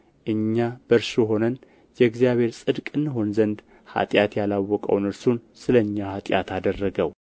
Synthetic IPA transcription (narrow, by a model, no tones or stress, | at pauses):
ʔɨɲːab̥əɾʃjɛɦo̞nən | jɛɡzjaβe̞ɾsʼɨd̪kʼɨnːɨɦo̞nzənd̪ | ha̰t̪ʼjat̪jalawːɔkʼə̰wnɨɾsunsɨləɨɲːahat̪ʼja̰t̪ʰad̪ərːəɡəw